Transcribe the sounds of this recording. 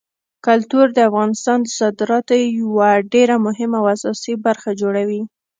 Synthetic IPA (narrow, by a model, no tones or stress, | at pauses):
kʊlt̪uɾd̪əafɣɑnɪst̪ɑnd̪əsɑd̪ɪɾɑt̪oejwaɖeɾamʊɦɪmaawasɑsibaɾxad͡ʒoɽawi